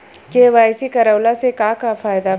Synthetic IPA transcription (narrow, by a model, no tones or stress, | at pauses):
keʋaːjsikɐɾəwlasekaːkafaːjd̪a